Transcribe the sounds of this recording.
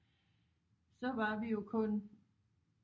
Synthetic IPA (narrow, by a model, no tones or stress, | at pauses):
sɒ̽ʋɑ̈ʋijo̝kʰɔ̽n